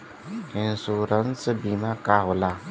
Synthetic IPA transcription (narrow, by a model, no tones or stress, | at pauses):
ɪ̃nsuːɾənsəbiːmaːkaːɦoːlaː